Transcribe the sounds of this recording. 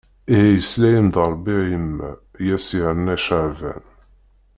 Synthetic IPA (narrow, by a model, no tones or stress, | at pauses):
ihæjəslæjəmd̪ɑɾˤbijəmːæ̰jæsinːæʃaʕvæ̰n